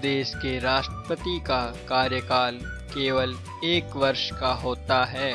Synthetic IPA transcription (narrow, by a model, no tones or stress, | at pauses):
d̪eːʃkeɾaːʃʈɾəpət̪ikakaːɾjəkaːl | keːʋəl | eːkʋɐɾʃkaɦoːt̪aɦɛː